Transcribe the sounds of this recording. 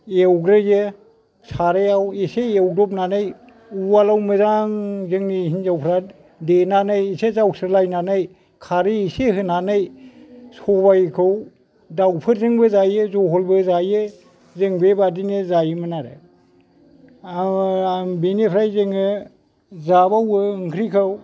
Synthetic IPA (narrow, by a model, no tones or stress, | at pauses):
ewɡɾɯje | saɾejawiseewdɔp̚nanaj | uwalawmɯzaŋzɯŋnihinzawpʰɾa | denanajisezawsʰɯɾlajnanaj | kʰaɾiiseɦɯnanajsɔbajkʰɯw | dawpʰɯɾzɯŋbɯzajezɔɦɔlbɯzaje | zeŋbebadinezajmɯnaɾe | benepʰɾajzeŋɯ | zabawɯɯŋkʰɾikʰɯw